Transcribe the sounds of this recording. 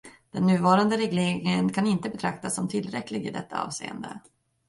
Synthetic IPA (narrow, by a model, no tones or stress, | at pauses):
d̪̥ɛnːʉ̟ːvɑːɾand̪əɾɛɡleːɾɪŋənkʰanɪnt̪əbɛt̪ʰɾak̚t̪asːɔmt̪ʰɪlːɾɛkːlɪɡɪ̰d̪ɛ̰t̪ʰːaɑ̰ːvsḛːə̰nd̪ə̰